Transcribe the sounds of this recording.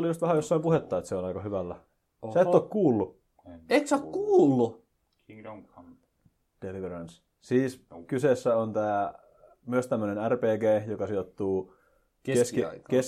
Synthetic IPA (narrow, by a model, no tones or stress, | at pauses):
lijust̪ʋæhæjosːɑimpuhet̪ːɑet̪seonɑikɑhyʋælːæ | seet̪ːokkuːlːu | et̪sokkuːlːu | d̥eliʋerɑns | siːskyseːsːæont̪æː | myøst̪æmːønenærpeːɡeːjokɑsiot̪ːuː | kkeskikes